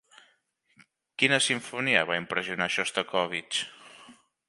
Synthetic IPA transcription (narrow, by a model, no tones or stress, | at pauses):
kinəsiɱfuniəβaimpɾəziunaʃɔst̪əkɔβit͡ʃ